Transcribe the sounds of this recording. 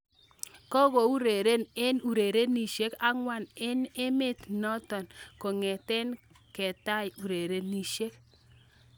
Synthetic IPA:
kɔ˦ɣo˨u˦ɾe˨ɾe˦ne˦nu˨ɾe˨ɾe˦ni˨ʃe˦ka˦ŋwa˦˨nɪ˦nɪ˦mɪ˦tnɔ˦tɔ˨nko˨ŋɛ˨tɛ˦n | kɛ˨ta˦ju˨ɾe˨ɾe˦ni˦˨ʃe˦k

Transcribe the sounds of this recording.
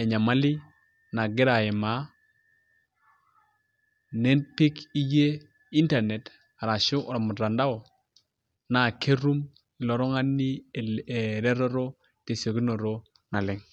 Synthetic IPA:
e˨ɲa˨ma˦li˦ | na˨ɡi˦ɾa˨je˨ma˨˦ | ne˦npi˦ki˦je˦ | i˦nta˨ne˨t | a˨ɾa˨ʃu˦ʔɾa˨mu˨ɾa˨nda˦o˨ | na˨ke˦ɾu˦m | i˨lo˨ɾo˦ŋa˦nːi˦˨ | ɾe˦ɾo˦ɾo˦ | te˨so˨ki˦no˨ɾo˦ | na˨lɪ˦ŋ

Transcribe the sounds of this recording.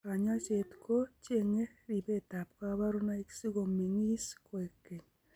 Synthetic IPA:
ka˨ɲa˦t͡ʃe˨tko˦t͡ʃeŋe˦ɾi˨be˦ta˨pka˦βa˦ɾu˦na˦iki̥si˦ɣo˨mi˨ŋi˦sko˨e˨ke˨ɲ

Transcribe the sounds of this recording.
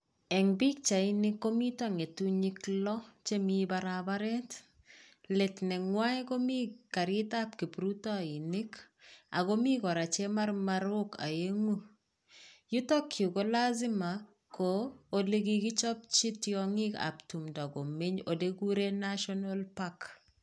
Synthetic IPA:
ɛ˨ŋbi˦k̚t͡ʃa˨ɪ˦nɪ˦kːo˦mi˦taŋe˨tu˦ɲi˦klɔ˦t͡ʃe˦mi˦baɾaba˦ɾɛ˦t | le˨tnɛ˨ŋwa˦jko˦mi˦ka˨ɾɪ˦ta˦p̚ki˨pɾutɔ˦˨i˨nɪ˦k | a̰˨ɡo˦mi˦kɔ˨ɾa˨t͡ʃe˦ma˦rmaɾo˦ka̰˨je˦ŋu˦ | ju˦tɔ˦kʰju˨ko˦la˦zɪ˦ma˨ | koː˨le˦ɡiɡɪ˦t͡ʃɔ˦p̚t͡ʃi˦tjɔŋɪ˦ka̰˨ptu˨mdɔ˨ɡo˨mɪ˦ɲo˨de˦ɡu˦ɾe˦naʃɔnalpak

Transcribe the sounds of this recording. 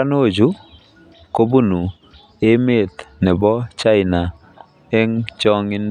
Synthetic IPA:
ano˦˨d͡ʒu˦ | ko˦bu˦nu˨ | e˦me˦˨t̪nɛ˨bɔ˦t͡ʃa˦ɪ˨na˨ | e˦ŋt͡ʃɔ˦ŋɪ˦n

